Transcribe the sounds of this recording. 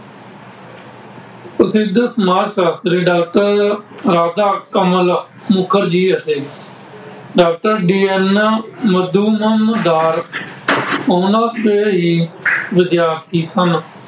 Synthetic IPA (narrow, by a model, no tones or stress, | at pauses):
pɾəsɪd̪səmaːɾʃaːst̪ɾeːɖaːk̚ʈəɾɾaːd̪aːkəməl | mʊkʰəɾd͡ʒiːəʈʰeː | ɖaːk̚ʈəɾɖiːɛnməd̪uːməmd̪aːɾ | oːnaːb̪eɦiːʋɪd̪jaːɾt̪ʰiːsən